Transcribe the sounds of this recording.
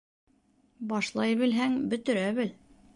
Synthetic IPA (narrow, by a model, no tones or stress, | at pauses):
bɑʃlˠɑjβɘ̆lɦæŋbɵ̆t̪ɵ̆ɾæβɘl